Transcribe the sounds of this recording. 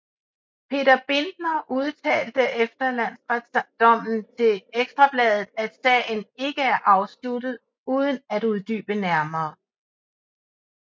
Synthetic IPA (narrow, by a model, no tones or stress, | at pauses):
pʰe̝ːdɐb̥e̝nd̥nɐʔuð̞ˠt͡sʰɛ̰ːld̥əʔefd̥ɐlæn̰sʁḁd̥ɒ̽m̰n̩t͡sʰe̝leɡ̥sd̥ʁɑ̈b̥lɛːð̞ˠð̩ˠæd̥sɛ̰ne̝ɡ̥əæɐʔɑ̈ʊslud̥ð̩ˠ | uːð̞ˠənæd̥uð̞ˠd̥y̰ːb̥ənæɐmɐː